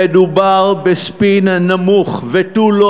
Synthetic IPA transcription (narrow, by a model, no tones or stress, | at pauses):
ed̪ubaʁbespinnamuχvet̪ulo